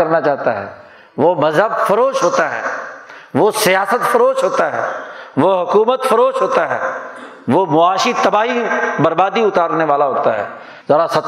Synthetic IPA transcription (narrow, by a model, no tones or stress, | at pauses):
ɐɾnat͡ʃaːɦt̪aɦɛ̰ː | ʋomɐzɦəbfɐɾoːʃɦoːt̪aɦɛ̰ː | ʋosijaːsət̪fɐɾoːʃɦoːt̪aɦɛ̰ːʋoɦʊkuːmət̪fɐɾoːʃɦoːt̪aɦɛ̰ː | ʋomʊaːʃit̪ɐbaːɦibɐɾbaːd̪iʊt̪aːɾneʋaːlaɦoːt̪aɦɛ̰ː | zɐɽasɐt̪